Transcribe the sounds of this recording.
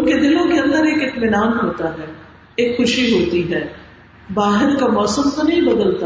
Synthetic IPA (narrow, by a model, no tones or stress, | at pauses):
ʊnked̪ɪlõkeɐ̃nd̪əɾeːkɪt̪mɪnaːnɦoːt̪aɦɛː | eːkxʊʃiɦoːt̪iɦɛː | baːɦɪɾkamɔːsəmt̪onɐɦĩbɐd̪əlt̪a